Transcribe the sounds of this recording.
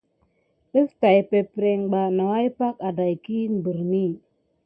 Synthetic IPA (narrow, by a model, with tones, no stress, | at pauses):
ə˦sta˨jpe˨pɾe˨ŋɡ͡ba˨na˨wa˦i˦pa˦ka˨da˨jki˦m̩˨bə˨ɾni˦